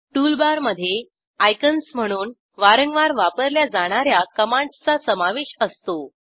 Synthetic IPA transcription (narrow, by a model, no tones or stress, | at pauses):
ʈulbaɾməd̪ʱːje | ajkənsm̤əɽ̃uːn | ʋaɾəŋɡʋaɾʋapəɾljad͡zaɽ̃aɾjakəmãɳɖt͡sasəmaʋeɕəst̪o